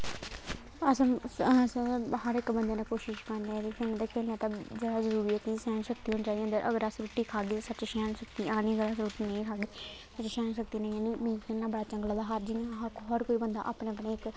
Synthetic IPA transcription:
əsə̃shəɾɪkbənd̪eːnaːkoːʃɪʃkəɾneːd͡ʒ̪kʰeːlnãːt̪aːkʰeːlãːt̪ãːd͡ʒəɽaːd͡ʒəɾuːɾiət̪iːsɛːnʃəkt̪iːɦoːnit͡ʃaːd̪ĩnd̪əɾʔə̰ɡəɾəsɾuːʈiːkʰaːɡeːsət͡ʃʃaːnsəkt̪iːãːniːəɡəɾasɾuːʈiːnə̃ĩːkʰaːɡeː | sət͡ʃʃɛːnsək̚t̪iːnə̃ĩjaːniːmĩːkʰeːlnaːbəɽaːt͡ʃə̃ŋɡlaːd̪aːɦəɾd͡ʒiːãɦkɦɔɾkoːiːbənd̪a̰ːʔaːpɳeːəpneːɪk

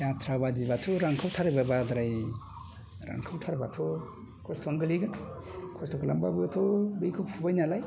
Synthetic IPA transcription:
jatʰɾabadibatʰuɾaŋkʰawtʰaɾababad̪ɾaj | ɾa̰ŋkʰawtʰaɾabatʰɔ | kʰɔstʰɔnɡɯliɡɯnkʰɔstʰɔklambabɯatʰɔbɯjkʰɯpʰubajnalaj

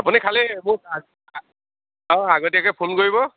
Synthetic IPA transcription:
apʊnikʰalɛmʊa | ɔ̃aɡɔtijakɔjpʰonkoɹibɔ

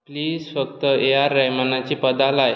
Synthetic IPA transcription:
pliːzfəkt̪əeaɾːajmanat͡ɕiːpəd̪alaj

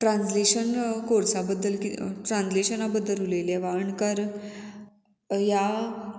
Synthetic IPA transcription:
ʈɾãnsleɕənkoɽsabəd̪ːəlkiʈɾansleɕənabəd̪ːəluleljeʋaəɳkəɾ | ja

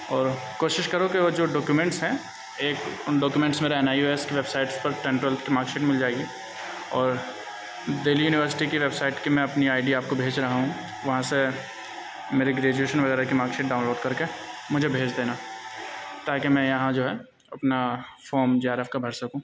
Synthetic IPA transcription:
ɔːɾkoːʃɪʃkɐɾokiʋoːd͡ʒoːɖɔːkjumɛ̃ɳʈsɦɛ̃ | eːkɖɔːkjumɛ̃ɳʈsmeːɾeɛnaːjoːeskiʋebsaːɪʈspɐɾʈɛ̃ɳʈɛlt̪ʰkimaːɾkseːʈmɪld͡ʒaːeɡi | ɔːɾ | d̪eːlijuːnɪʋəɾsɪ̥ʈikiʋebsaːɪʈkemɛ̃ɐpniaːɪɖiaːp̚kobʱeːd͡ʒɾɐɦaɦũ | ʋɐɦãse | meːɾeɡɾeːd͡ʒueːʃənʋɐɣɛːɾakimaːɾkseːʈ̚ɖaːʊ̃nloːɖkɐɾkemʊd͡ʒʱebʱeːd͡ʒd̪eːna | t̪aːkemɛ̃jɐɦãd͡ʒoːɦɛ | ɐpnafoːɾmd͡ʒeːaːɾefkabʱɐɽsɐkũː

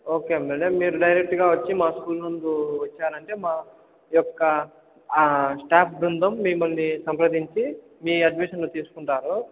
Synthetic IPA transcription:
o̞ːke̞ːmeːɖemmːiːɾuɖɐjɾek̚ʈɡaːʋɐt͡ʃːimaːskuːlnund̪uʋɐt͡ʃːaːɾɐɳʈe̞ːmaː | jɔkːɐ | sʈaːpʰbɾund̪ʱɐmːimːɐlnisɐmpɾɐd̪iɲt͡ʃi | miːɐɖmiʃɐnnut̪iːsu̥kuɳʈaːɾu

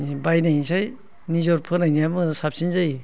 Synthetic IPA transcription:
ibajnajsaj | nizɔɾpʰɯɾnajniabɯŋdasap̚sinzaj

